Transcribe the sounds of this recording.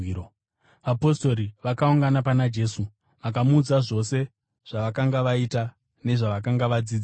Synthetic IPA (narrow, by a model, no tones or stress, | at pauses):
o | ʋapo̞sto̞ɾiʋakauŋɡanapanad͡ʒe̞su | ʋak̬amud͡zaʐo̞se̞ | ʐ̥aʋakaŋɡaʋaita | ne̞ʐaʋakaŋɡaʋad͡ziːd͡za